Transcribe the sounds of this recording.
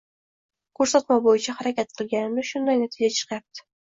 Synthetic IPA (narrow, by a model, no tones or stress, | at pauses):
kʰɵɾsat̪mabojɪt͡ʃʰahaɾakʲʰat̪̚qʰɨlˠɡʲanɪmnɪʃʊnd̪ajnat̪ʰɪd͡ʒat͡ʃʰɨ̥qjap̚t̪ʰɪ̥